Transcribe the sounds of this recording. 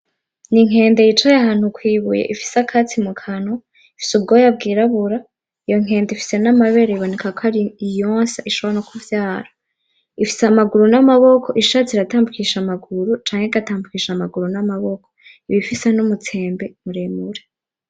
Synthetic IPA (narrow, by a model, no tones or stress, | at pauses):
niŋ̥e̞ːnde̞jit͡ʃajaɦaːn̥hukwiːβujḛʔifi̥sakʰat͡simukʰano | ifi̥subɡo̞ːjabɡiːɾaβuɾa | ijo̞ŋ̥e̞ːndifi̥se̞namaβe̞ɾeiβone̞kakoaɾiijoːnsaʔiʃoβnokuvjaːɾa | ifi̥samaɡuɾunamaβokʰo̞ʔiʃaːt͡siɾataːmbukiːʃamaɡuɾut͡ʃaːŋheiɡataːmbukiːʃamaɡuɾunamaβokʰo̥ | iβifisenumut͡se̞ːmbe̞muɾemuɾe